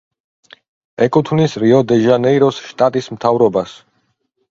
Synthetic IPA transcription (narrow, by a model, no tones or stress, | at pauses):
ɛkʼut̪ʰvnisɾiɔd̪ɛʒanɛiɾɔsʃt̪ʼat̪ʼismt̪ʰavɾɔbas